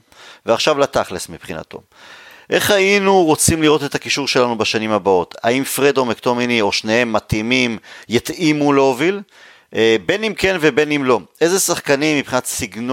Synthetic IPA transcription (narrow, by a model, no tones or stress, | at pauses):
veaχʃavlat̪aχlesmipχina̰t̪o̞̰ | ʔe̞χhajinuʁot͡simliʁo̞t̪et̪akiʃuʁʃe̞lanubaʃanimhabao̞t̪ʰa̰imfʁed̪o̞mekt̪o̞minio̞ʃnehemːat̪imimjit̪imuleovil | be̞nimkenvebe̞nimlo̞ʔezesaχkanimːipχinat̪siɡn